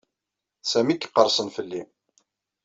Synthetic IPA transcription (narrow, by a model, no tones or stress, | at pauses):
sæmikːqːəɾˤsˤənfəlːi